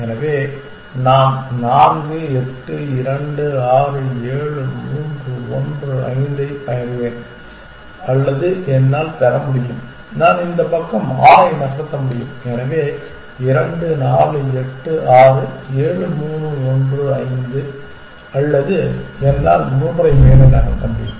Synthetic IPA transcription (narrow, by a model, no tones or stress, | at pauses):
ɛnɐʋeː | naːmnaːnɡɯɛʈːɯɪɾɐɳɖɯaːrɯeːɻɯmuːndrɯɔndrɯɐ̰ɪnd̪ɐɪp̪ɐjɐɾɯʋeːn | ɐlːɐðɯɛnːaːlt̪ɐɾɐmʊɽɪjɯm | naːnɪnd̪ɐpɐkːɐmaːjɪnɐrsɐt̪ːɐmʊɽɪjɯmɛnɐʋeː | ɪɾɐɳɖɯnaːrɯɛʈːɯʔaːrɯeːɻɯmuːnɯɔndrɯɐɪnd̪ɯ | ɐlːɐðɯɛnːa̰ːlmuːmɐɾɐɪmeːnɐnɐnɐp̪ːɐɳʋeːn